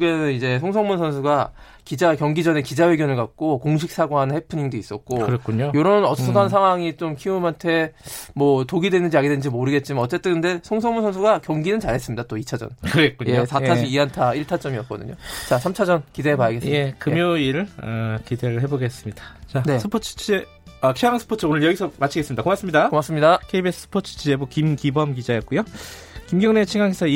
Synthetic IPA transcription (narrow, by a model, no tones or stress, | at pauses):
ɡenɯnid͡ʑe̞sʰoŋsʰʌŋmunsʰʌnsʰuɡa | kid͡ʑakjʌŋɡid͡ʑʌne̞kid͡ʑawe̞ɡjʌnɯɭkak̚k͈okoŋɕʰik̚s͈aɡoɦanɯnhepʰɯɲiŋdois͈ʌt̚k͈oɯɾʌk͈uɲojoɾʌnʌs͈ʌdans̬ʰaŋwaŋit͡ɕ͈omkʰiumɦantʰe̞mwʌtoɡidwe̞nɯnd͡ʑiaɡedwenɯnd͡ʑimoɾɯɡe̞t̚t͡ɕ͈imanʌt͡ɕ͈e̞t͈ɯɯnde̞sʰoŋsʰʌŋmunsʰʌns̬ʰuɡakjʌŋɡinɯnt͡ɕaɾɦe̞s͈ɯmɲidat͈oit͡ɕʰad͡ʑʌ̰nkɯɡet̚k͈uɲosʰaaiiɦantʰaiɭtʰat͡ɕ͈ʌmiʌt̚k͈ʌ̰dɯ̰ɲo̰t͡ɕas̬ʰamt͡ɕʰad͡ʑʌnkideepajʌɡe̞sɯmjekɯmjoiɾɯʌkideɾɯɭɦe̞boɡe̞s͈ɯmɲidat͡ɕansʰɯpʰot͡ɕʰɯ̥t͡ɕʰid͡ʑe | ʌkʰiaŋansʰɯ̥pʰot͡ɕʰɯonɯɭjʌɡisʰʌmat͡ɕʰiɡe̞s͈ɯmɲidakomaks͈ɯmɲidakomaks͈ɯmɲidakʰeibesʰsʰɯ̥pʰot͡ɕʰɯ̥t͡ɕʰid͡ʑe̞bokimkibʌmkid͡ʑajʌt̚k͈ujo | kimɡjʌŋnet͡ɕʰiŋaŋesʰʌ